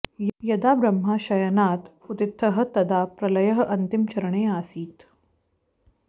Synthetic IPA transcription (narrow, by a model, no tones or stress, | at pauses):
jɐd̪aːbɾɐmɦaːʃɐjɐnaːt̪ut̪ɪt̪ʰːɐɦɐ̆t̪ɐd̪aːpɾɐlɐjɐɦɐ̆ʔɐnt̪imt͡ʃɐɾɐɳeːaːsiːt̪